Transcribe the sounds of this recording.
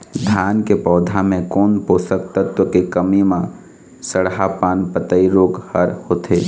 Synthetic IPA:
d̪ʱjaːnkepɔːd̪ʱamẽkɔːnpoːsək̚t̪ət̪wəkekəmimã | səɽɦapaːnpət̪əiɾoːɡhəɾhoːt̪ʰeː

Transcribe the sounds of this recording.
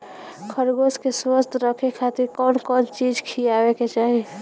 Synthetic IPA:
kʰəɾɡoskeswəst̪ʰɾəkʰekʰat̪iɾkɔnkɔd͡ʒt͡ʃid͡ʒkʰijabeket͡ʃaɦi

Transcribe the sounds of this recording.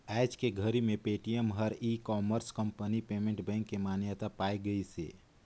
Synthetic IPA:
ɛːd͡ʒkeɡʱəɾimẽpeːʈijəmɦəɾikɔːməɾskə̃mpənipeːmẽɳʈbɛ̃ːŋkːemaːnjət̪apaːiɡəisḛː

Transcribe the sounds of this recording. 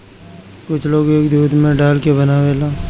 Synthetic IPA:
kʊt͡ʃʰloːɡeːkd̪uːd̪mẽɖaːlkebɐnaʋeːlaː

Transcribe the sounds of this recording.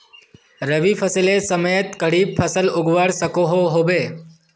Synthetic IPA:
ɾəʋipʰəslesəməjət̪kəɽiːbpʰəsəlʊɡʋaɽsəkoɦoɦobeː

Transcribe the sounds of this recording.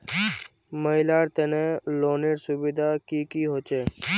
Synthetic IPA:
məɪlaːɾt̪eneloːneɾsʊbɪd̪aːkiːkiːɦoːt͡ʃeː

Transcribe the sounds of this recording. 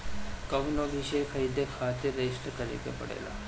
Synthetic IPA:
kəʋnobʱiɕejkʰəid̪ekʰat̪eɾesʈəkəɾḛkḛpə̰ɽḛla̰

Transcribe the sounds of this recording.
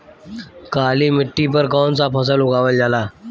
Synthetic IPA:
kaliːmɪʈːipəɾkɔːnt͡sapʰəs̬əlʊkaʋəld͡ʑala

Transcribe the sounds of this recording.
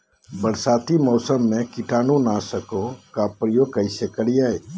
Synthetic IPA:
bəɽsaːt̪imɔːsəmːẽkɪʈaːnũnasəkõkapɾəjoːɡ̚kəɪsekəɽijaeː

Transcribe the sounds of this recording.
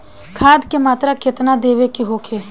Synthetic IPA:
kʰaːd̪kemaːt̪ɾakɪt̪nad̪eːʋekeɦoːkʰeː

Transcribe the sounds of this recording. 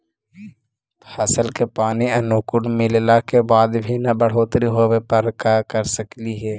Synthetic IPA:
asəlkepaːniɐnoːkʊɽmɪllakebaːd̪bʱinabəɽ̤oːt̪ɾiɦowepəɾkakəɾsəkliɦɛː

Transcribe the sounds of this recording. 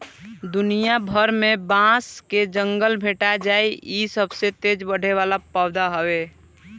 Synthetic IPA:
d̪ʊnijabʱəɾmẽbãsked͡ʒəŋɡəlbʱeːʈad͡ʒaːiisəbset̪ed͡ʒbəɽ̤eʋaːlapaʊd̪aɦəwe

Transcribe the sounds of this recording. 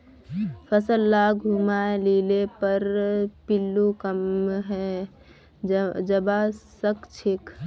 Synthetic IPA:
pʰəsəlːaɡʱumaelilepəɾpilːukəmɦɛ | d͡ʒəbasəkt͡ʃʰik

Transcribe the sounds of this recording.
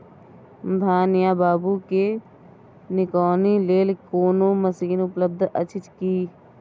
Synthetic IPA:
bʱaːnɪjaːbaːbuke | nɪkɔːnileːlkoːnõːməsiːnʊpləb̚d̪ʱə̰t͡ʃʰɪt͡ʃkiː

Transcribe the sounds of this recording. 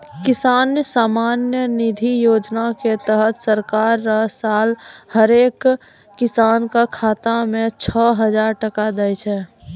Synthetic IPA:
kɪsaːnjəsaːmaːnjənɪd̪ʱijoːd͡ʒnaket̪əɦət̪səɾkaːɾːəɦsaːlhəɾeːkː | ɪsaːnkakʰaːt̪amẽt͡ʃʰɔɦəd͡ʒaːɾʈəkad̪ajt͡ʃʰɛ

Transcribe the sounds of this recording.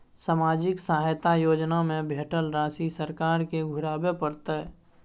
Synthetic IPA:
saːmaːd͡ʒɪksaːɦjt̪ajoːd͡ʒnamẽbʱeːʈəlɾaːsisəɾkaːɾkeɡʱʊɽaːbepəɾt̪ə

